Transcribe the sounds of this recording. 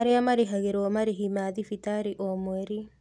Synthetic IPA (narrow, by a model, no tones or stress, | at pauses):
aɾeamaɾeɦaɣeɾɔmaɾiɦimaðifitaɾiʔɔmwɛɾi